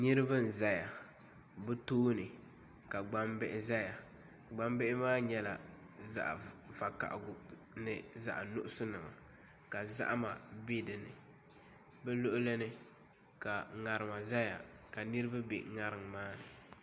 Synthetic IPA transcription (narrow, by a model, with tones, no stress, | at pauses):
nɨ˦ɾɨ˦ba˦n̩˨za˦ja˨ | bɛ˦toː˦nɨ˨ | ka˨ɡ͡ba˦mbɛ˦˨ʔɪ˨za˦ja˨ | ɡ͡ba˦mbɛ˦ʔɪ˦maː˦ɲɛ˦la˨ | za̰˨ʔva˨ka̰˨ʔɡʊ˨ | nɨ˨za̰˨ʔnʊ˦ʔʊ˦sʊ˦nɨ˨ma̰˨ | ka˨za̰˦ʔma˨be˦dɨ˨nɨ̰˨ | bɛ˦lo˦ʔʊ˦le˦nɨ˦ | ka˨ŋa˨ɾɨ˨ma˨za˦ja̰˨ka˨nɨ˦ɾɨ˦ba˦bḛ˨ŋa˦ɾɨ˨ŋmaː˦nɨ˨